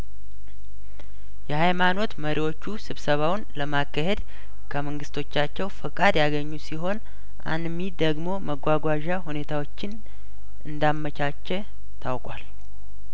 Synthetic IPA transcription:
jɛhajmano̞t̪məɾʔiwo̞t͡ʃːusɨβsəβawnləmakːəɦe̞d̪ | kʰəməŋɡɨst̪ʰo̞t͡ʃːat͡ʃːɛwfɨkʼad̪jaɡəɲːusiɦo̞n | ʔa̰nmid̪əɡmo̞məɡʷaɡʷaʒahune̞t̪ʰawot͡ʃːɪn | ʔɨnd̪amːət͡ʃat͡ʃːɛ | t̪ʰawkʼwal

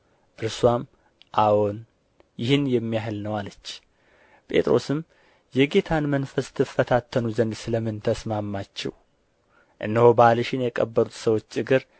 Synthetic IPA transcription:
ʔɨɾswam | ʔawo̞n | jɪhɨnjɛmːijahɨlnəwalət͡ʃː | pʼe̞̰t̪ʼɾo̞̰sɨm | jɛɡe̞t̪ʰanmənfəst̪ʰɨfːət̪ʰat̪ʰːənuzənd̪sɨləmːɨnt̪ʰəsmamːat͡ʃːɛ̰w | ʔɨnːəhobalɨʃɪnjɛkʼəbːəɾut̪səwo̞t͡ʃːɨɡɨɾ

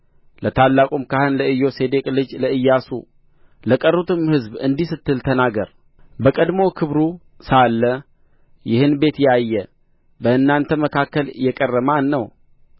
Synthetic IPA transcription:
lət̪ʰalːakʼumkahɨnləɨjːo̞se̞d̪e̞kʼlɨd͡ʒləɨjːasṵ | ləkʼərut̪ɨmhɨzbɨnd̪ihsɨt̪ːɨlt̪ʰənaɡəɾ | bəkʼəd̪mo̞kʰɨβɾu | salːə | jɪhɨnbe̞t̪jajːɛ | bəɨnːant̪ʰəməkʰakːəljɛkʼərːəmanːəw

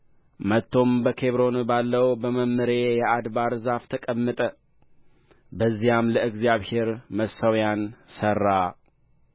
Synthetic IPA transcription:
mət̪ʰːo̞mbəkʰe̞βɾo̞nbalːəwbəməmːəɾe̞jɛʔad̪baɾzaft̪ʰəkʼəmːət̪ʼə | bəzːijamləɨɡzjaβhe̞ɾməsəwjansərːa

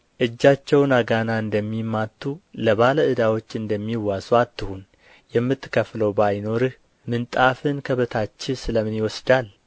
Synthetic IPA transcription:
ʔɨd͡ʒːat͡ʃːɛwnaɡanaɨnd̪əmːimːat̪ʰːuləβaləɨd̪awo̞t͡ʃːɨnd̪əmːiwːasuat̪ːɨhun | jɛmːɨt̪ːɨ̥kʰəfləwbajno̞ɾɨh | mɨnt̪ʼafɨnkʰəβət̪ʰat͡ʃːɪsɨləmɨnjɪwɔsd̪al

